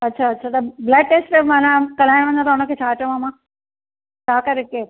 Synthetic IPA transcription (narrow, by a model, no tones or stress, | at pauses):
ɐtːɕʰaɐtːɕʰat̪ɐblɛːk̚ʈeːsʈemãːnãkɐl̤aːɪɽ̃ʋɐ̃ɲd̪ãt̪ʰɐʊnə̆kʰeːt͡ɕʰaːʈiõmãːmã | t͡ɕʰaːkɐɾeke